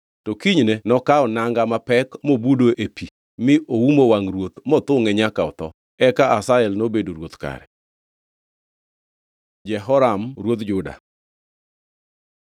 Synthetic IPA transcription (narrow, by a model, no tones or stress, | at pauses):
tɔkiɲnɛnɔkaɔnaŋɡamapɛkmobudoʔepi | mɪʔowumowaŋɾwot̪mɔt̪ʊŋɛɲakaɔ̰t̪ɔ̰ | ɛkaasaɛlnobedoɾwot̪ka̰ɾɛ̰ | d͡ʒɛɦɔɾamɾwot̪d͡ʒʊda̰